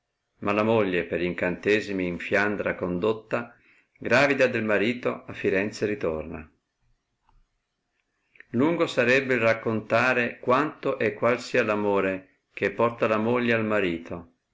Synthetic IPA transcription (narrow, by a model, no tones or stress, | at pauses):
malamoʎːepeɾiŋkant̪ɛːzimiːɱfjand̪ɾakond̪ot̪ːa | ɡɾaːvid̪ad̪elmaɾiːt̪oafːiɾɛnt̪seɾit̪o̰rna̰ | luŋɡosaɾɛbːeilrakːont̪aːɾekwant̪oʔekːwalsiːalamoːɾe | k̟epːɔrt̪alamoʎːealmaɾiːt̪ʰo